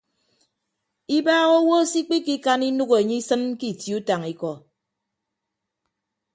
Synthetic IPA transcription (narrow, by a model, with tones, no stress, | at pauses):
i˦baː˦ɣo˦wo˦si˦k͡pi˦ki˦ka˦ni˦nu˦ɣo˨e˨ɲi˦sɨ˦nki˦˨tji˨u˦ta˨ŋi˦kɔ˨